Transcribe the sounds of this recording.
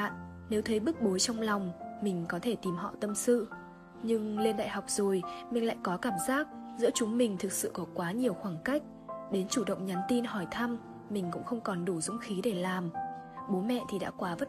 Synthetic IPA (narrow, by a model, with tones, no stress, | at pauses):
ne˨˦wt̪ʰə˨˦jɓɨ˦˥k̚ɓo˨˦jt͡ɕɔ˧wŋ͡mla˨˩wŋ͡mmï˨˩ŋ̟kɔ˨˦t̪ʰe˧˩t̪i˨˩mɦɔ̰˧˨t̪ə˧msɨ̰˧˨ | ɲɨ˧ŋle˧nɗa̰ː˧˨jɦa˨˩wk͡p̚zo˨˩jmï˨˩ŋ̟la̰ː˧˨jkɔ˨˦kaː˧˩mzaː˦˥k̚zɨ̰˧˥ət͡ɕʊ˨˦ŋ͡mmï˨˩ŋ̟t̪ʰɨ˨˩k̚sɨ̰˧˨kɔ˨˦kwaː˨˦ɲi˨˩əwxwaː˧˩ŋka˦˥jk̟̚ | ɗe˨˦nt͡ɕu˧˩ɗə̰˧˨wŋ͡mɲa˨˦nt̪i˧nɦɔ˧˩jt̪ʰa˧m | mï˨˩ŋ̟kʊ̰˧˥ŋ͡mxə˧wŋ͡mkɔ˨˩nɗu˧˩zʊ̰˧˥ŋ͡mxi˨˦ɗe˧˩laː˨˩mɓo˨˦mɛ̰˧˨t̪ʰi˨˩ɗa̰ː˧˥kwaː˨˦və˦˥t̚